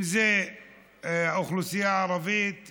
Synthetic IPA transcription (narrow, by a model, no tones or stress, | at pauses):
ze | auχlusijaʕaɾˤɑvit̪